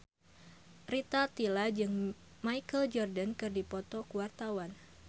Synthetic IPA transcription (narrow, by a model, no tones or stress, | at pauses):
rit̪at̪ilad͡ʒɨŋ | majkəld͡ʒɔrdankɨrdipɔt̪ɔkuwart̪awan